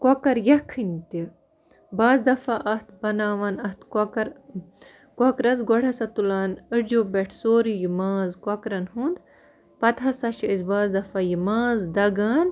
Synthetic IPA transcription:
kokɐɾjɐkʰɨnʲt̪i | baːzd̪ɐfaʔɐht̪̚bɐnaːʋɐːnɐht̪kokɐɾ | kokɾɐzɡoɽɐsɐt̪ulaːnəd͡ʒobeʈʰsoːɾijimaːzkɐkɾɐnɦund̪ | pɐt̪ʰɐsɐʃiizbaːzd̪ɐfajimaːzd̪ɐɡaːn

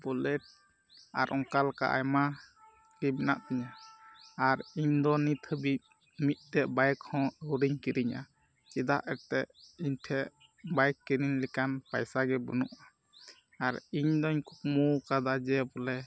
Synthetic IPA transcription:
bɔlɛʈ̚ | a̰ɾʔɔŋkalka̰ʔa̰jma | kibɛnaʔt̪iɲa | aɾiɲd̪ɔnit̪ʰəbi | mit̪̚ˀt̪ɛʔbajkhɔ̃əwɾiɲkiɾiɲa̰ | t͡ʃid̪a̰ʔɛɾt̪ɛʔiɲʈʰɛʔ | bajkːiɾiɲlɛkanpajsaɡɛbə̰nṵʔa | aɾiɲd̪ɔɲkuk̚mukad̪ad͡ʒɛbɔlɛ

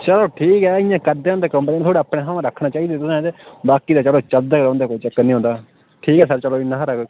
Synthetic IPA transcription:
t͡ʃəloːʈʰiːkɛːɪjãːkəɾd̪eːõnd̪eːkəmpnĩːt̪ʰoːɽaːpɽeːɦãːãɾəkʰnãːt͡ʃaːiːd̪eːt̪ʊsd̪eːbaːkiːd̪aːt͡ʃəloːt͡ʃəld̪aːkɾõːnd̪eːkoit͡ʃəkːnĩːɦõːnd̪aː | ʈʰiːkɛːsəɾt͡ʃəloːɪnːãːɦɾək

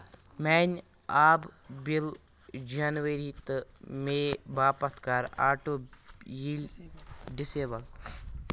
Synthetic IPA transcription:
mɛːnʲ | aːbbil | d͡ʒɐnʋəɾit̪meːbaːpɐt̪kaːɾa̰ːʈoːjilʲɖiseːbɐl

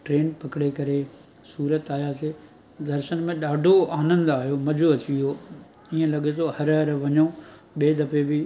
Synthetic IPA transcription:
ʈɾeːnpɐkɪɽekɐɾe | suːɾət̪aːijase | d̪ɐɾʃənmẽɗaːɖʱoaːnə̃nd̪aːɦijomɐd͡ʑoɐt͡ɕʰijo | iə̃lɐɠet̪ʰohɐɾɦɐɾʋɐɲo | ɓeːd̪ɐpebɪ

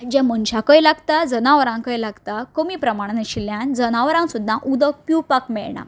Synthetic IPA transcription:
d͡ʑãmənɕakəjlaɡt̪ad͡zənaʋəɾãŋkəjlaɡt̪akəmiːpɾəmaɽ̃nəɕiljãnd͡zənaʋəɾãŋsud̪ʱːaʔud̪əkpjupakmɛɭɳa̰

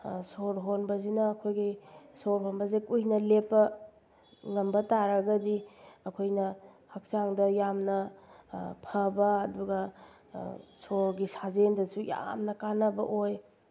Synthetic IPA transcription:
soɾɦonbɐzinɐːkʰojɡisoɾɦonbɐzekujnɐlepːɐ | ŋɐmbɐtaɾɐɡɐdiɐkʰojnɐ | hɐk̚saŋdɐjamnɐ | pʰɐbɐːduɡɐ | soɾɡisazendɐsuja̰mnɐkanɐbɐʔoj

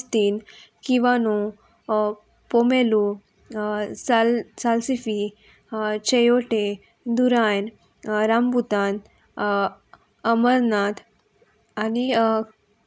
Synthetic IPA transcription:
t̪iːnkiʋanu | pomelu | salsalsifi | t͡ɕejoʈe | d̪uɾajn | ɾamput̪an | əməɾnat̪ʰ | ani

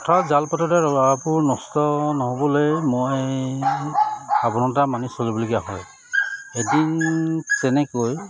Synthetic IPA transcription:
kɔtʰazalpatɔtaɹɔapʊɹnɔstɔnɔɦobɔlojmoj | abɔnɔtamanisolibɔlkijaɦɔj | edintɛnɛkoj

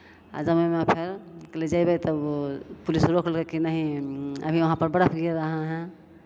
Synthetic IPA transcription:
a̰d͡ʒəbəmepʰeɾkeled͡ʒaibet̪əbpulisɾokʰlkekinaɦĩə̰bʱiʋɐɦãpəɾbəɽəpʰɡieɾaɦãɦɛ̃

